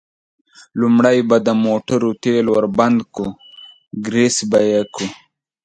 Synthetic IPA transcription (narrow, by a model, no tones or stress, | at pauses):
lumɽajbad̪əmoʈaɾut̪elwaɾband̪ku | ɡɾisbajeku